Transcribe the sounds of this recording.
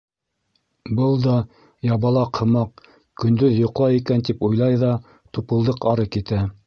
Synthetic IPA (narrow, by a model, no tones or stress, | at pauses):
bɤlˠd̪ɑ | jɑβɑlˠɑqʰhɤ̆mɑq | kɵ̆nd̪ɵðjŏqlˠɑjikænt̪ipujlˠɑjðɑ | t̪upɤ̆lˠd̪ɤqɑɾɤkit̪æ